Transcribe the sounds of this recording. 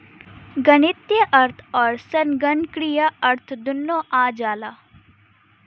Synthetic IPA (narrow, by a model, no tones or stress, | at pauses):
ɡɐnɪt̪jəʔɐɾt̪ʰɔːɾsɐnɡɐnkɾijaɐɾt̪ʰd̪ʊnːõːʔaːd͡ʒaːlaː